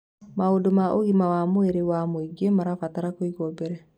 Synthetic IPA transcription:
maodomaʔoɣimawamoeɾewamoiɡemaɾafataɾakoiɣɔbɛɾɛ

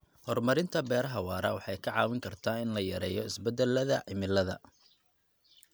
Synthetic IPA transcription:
hɔrmɐɾɪnt̪ʰɐbɛːɾɐɦɐwɑːɾɐwɑħɑjkʰɐʕɑːwɪŋkʰɐrt̪ʰaːɪnlɐjɐɾɛːjɔɪsbɛd̪ɛlːɐðɐʕɪmɪlːɐðɐ̰

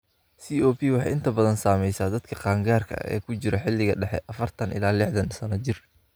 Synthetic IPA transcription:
siːɔːpʰiːwɑħɑ̰jɪnt̪ʰɐbɐðɐnsaːmɛjsaːd̪ɐd̪kʰɐqɑːŋɡaːrkʰɐ̰ɛ̰ːkʰʊt͡ʃɪɾɛħɪlːɪɣɐɖɛħɛ̰ʔɐfɐrt̪ʰɐnɪ̰laːlɪħðɐnsɐnɐt͡ʃɪr

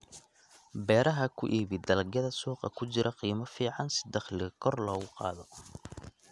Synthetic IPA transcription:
bɛːɾɐɦɐkʰʊʔiːβɪd̪ɐlɐɡjɐðɐsuːqɑ̰kʰʊt͡ʃɪɾʔɐqiːmɐfiːʕɑnsɪ̥d̪ɐχlɪkʰɔrlɔːɣʊqɑ̰ːðɔ

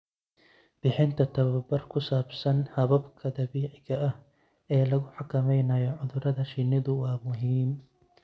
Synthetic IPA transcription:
b̥ɪħɪnt̪ʰɐt̪ʰɐβɐbɐrkʰʊsaːbsɐnhɐβɐbkʰɐd̪ɐβiːʕɪɣɐɐh | ɛːlɐɣʊħɑkʰɐmɛjnɐjɔʕʊðʊɾɐðɐʃɪnɪðʊwɑːmʊɦiːm

